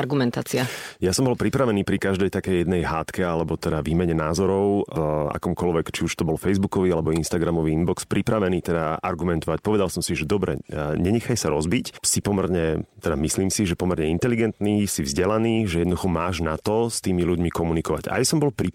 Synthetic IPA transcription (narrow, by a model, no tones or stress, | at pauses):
aɾɡumɛnt̪aːt͡siajasɔmbɔlpɾipɾaʋɛniːpɾikaʒd̪ɛjt̪akɛjːɛd̪nɛjɦaːt̪kɛalɛbɔt̪ɛd̪aʋiːmɛɲɛnaːzɔɾɔʊa̰kɔːmkɔlʋɛkt͡ʃiuʃt̪ɔbɔlfɛjzbukɔʋialɛbɔinst̪aɡɾamɔʋiːinbɔkspɾipɾaʋɛniːt̪ɛd̪aa̰ɾɡumɛnt̪ɔʋac̚pɔʋɛd̪alsɔmsiʒɛd̪ɔbɾɛ̰ɲɛɲɛxajsaɾɔzbicsipɔmɛɾɲɛt̪ɛd̪amisliːmsiʒɛpɔmɛɾɲɛint̪ɛliɡɛnt̪niːsivzɟɛlaniːʒɛjɛd̪nɔd̪uxɔmaːʒnat̪ɔst̪iːmiluɟmikɔmunikɔʋa̰ɟa̰jsɔmbɔlpɾi